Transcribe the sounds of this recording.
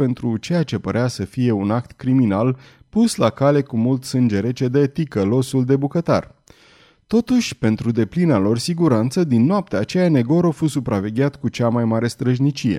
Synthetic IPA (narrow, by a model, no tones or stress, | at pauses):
pe̞nt̪ɾut͡ʃe̞jat͡ʃe̞pəɾeasəfije̞unakt̪kɾiminal | puslakale̞kumult̪sɨnd͡ʒe̞ɾe̞t͡ʃe̞d̪et̪ikəlo̞suld̪e̞bukət̪a̰r | t̪o̞t̪uʃʲpe̞nt̪ɾud̪e̞plinalo̞rsiɡuɾant̪səd̪inːoap̚t̪eat͡ʃe̞jane̞ɡo̞ɾofusupɾave̞ɡʲat̪kut͡ʃamajmaɾe̞st̪ɾəʒnit͡ʃije̞̰